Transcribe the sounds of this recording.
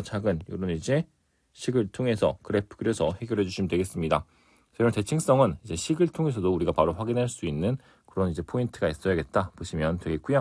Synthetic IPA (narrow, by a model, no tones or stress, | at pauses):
t͡ɕʰaɡɯnjo̰ɾonid͡ʑe̞ | ɕʰiɡɯɭtʰoŋe̞sʰʌ̰kɯɾepʰkɯɾesʰʌhe̞ɡjʌɾɦe̞d͡ʑuɕʰimidwe̞ɡe̞s͈ɯmɲida | t͡ɕeɾote̞t͡ɕʰiŋs͈ʌŋɯnid͡ʑe̞ɕʰiɡɯɭtʰoŋe̞s̬ʰʌdouɾiɡapaɾoɸwaɡinɦaɭs͈uinːɯn | kɯɾʌnid͡ʑe̞pʰointʰɯɡais͈ʌjaɡe̞t̚t͈apoɕʰimjʌntwe̞ɡe̞k͈uja